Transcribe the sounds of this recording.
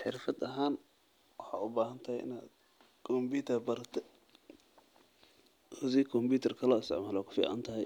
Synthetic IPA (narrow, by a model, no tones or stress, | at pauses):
ħɪɾfɐd̪ɐɦaːn | wɑħɑ̰ːʔʊbaːɦɐnt̪ʰɐhɛjʔɪ̰naːd̪ | kʰɔmbiːt̪ʰɐrbɐɾɐt̪ʰɛ | ʊsiːkʰɔmbuːt̪ʰɐrkʰɐlɔːɪst̪ɪ̰ʕmaːlɔːkʰʊ̥fḭːʕa̰nt̪ʰɐɦɛj